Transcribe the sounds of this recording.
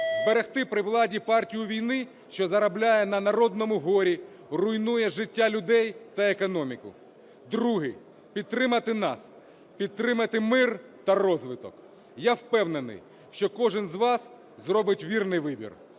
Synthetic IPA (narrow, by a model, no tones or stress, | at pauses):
zbeɾext̪ɪpɾɪʋlˠɑdʲipɑrtʲijʊʋʲijnɪ | ʃt͡ʃɔzɐɾɐblʲajɛnɐnɐɾɔd̪nɔmʊɦɔɾʲi | rʊjnujɛʒɪtʲːalʲʊd̪ɛjt̪ɐekɔnɔmʲikʊ̰ | d̪ɾuɦɪ | pʲid̪̚t̪ːɾɪmɐt̪ɪnɑ̰s | pʲid̪̚t̪ːɾɪmɐt̪ɪmɪrt̪ɐrɔzʋɪt̪ɔk | jawpɛwnenɪ̰j | ʃt͡ʃɔkɔʒɪnzʋɑs | zrɔbɪtʲʋʲirnɪjʋɪbʲḭr